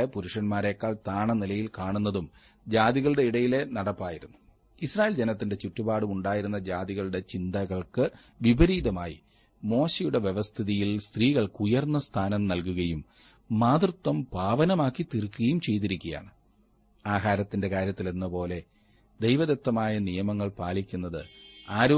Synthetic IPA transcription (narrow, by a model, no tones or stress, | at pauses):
ɐpuɾuʂɐnmaːɾe̞ːkːaːɭt̪aːɳɐnilɐjilkaːɳunːɐðum | d͡ʑaːd̪iɣɐɭɽe̞iɽɐjile̞nɐɽɐpːaːjiɾunːu | israːjld͡ʑenɐt̪ːinde̞t͡ɕutːubaːɽumuɳɖaːjiɾunːɐd͡ʑaːd̪iɣɐɭɨɽe̞t͡ɕind̪ɐɣɐɭkɨ | ʋibɐɾiːd̪ɐmaːjḭ | mo̞ːɕejuɽe̞ʋje̞ʋɐst̪ʰiðijilst̪riːɣɐɭkujɐrnːɐst̪ʰaːnɐmnɐlkuɣɐjumː | aːd̪rɨt̪ːwɐmbʱaːʋɐnɐmaːkːit̪irkːuɣɐjumt͡ɕe̞jt̪̬iɾikʲːɐja̰ːɳɨ | aːɦaːɾɐt̪ːinde̞kaːɾjɐt̪ːilenːɐpo̞ːle̞ | d̪e̞jʋɐðet̪ːɐmaːjɐnijɐmɐŋːɐɭpaːlikʲːunːɐðɨ̰aːɾuː